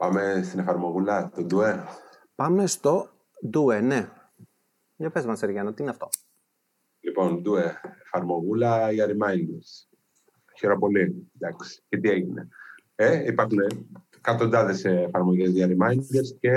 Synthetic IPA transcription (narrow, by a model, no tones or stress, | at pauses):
pɐme̞st̪ine̞fɐɾmo̞ɣulɐt̪od̪ue̞ | pɐme̞st̪o̞ | d̪uene | ɲopezmɐseɾʝɐnot̪iineɐft̪o̞ | lipo̞nd̪ueːfɐɾmo̞ɣulɐiɐɾimɐind̪es | çeɾo̞po̞lid̪ɐksi̥cet̪ie̞ʝine̞̰ | eipɐɾxune | kɐt̪ond̪ɐðeseːfɐɾmo̞ʝezʝɐɾimɐind̪esce